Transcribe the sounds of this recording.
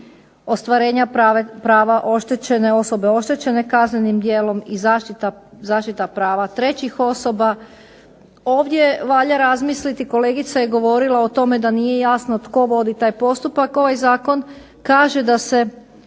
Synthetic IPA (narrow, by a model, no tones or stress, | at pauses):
o̞st̪ʋaɾe̞ːɲaapɾaːʋaʔo̞ʃt̪et͡ɕe̞ne̞o̞so̞be̞o̞ʃt̪e̞t͡ɕe̞ne̞kazne̞nimd̪jeːlo̞mizaʃit̪azaːʃt̪it̪apɾaːʋat̪ɾe̞t͡ɕixo̞so̞ba | o̞ːʋd̪jeʋaʎaɾazmislit̪iko̞le̞ːɡit̪sajeɡo̞ʋo̞ɾilˠaot̪o̞me̞d̪anije̞jaːsnot̪ko̞ʋo̞d̪it̪aːjpo̞st̪upako̞ʋajzaːko̞n | kaːʒe̞d̪ase̞